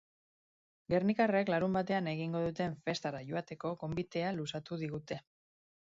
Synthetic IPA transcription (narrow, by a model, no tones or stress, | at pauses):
ɡe̞rnikareklaɾumbat̪e̞ane̞ɣ̞iŋɡo̞ðut̪e̞ɱfe̞st̪aɾaʝoat̪e̞ko̞ko̞mbit̪e̞alusat̪uðiɣ̞ut̪e̞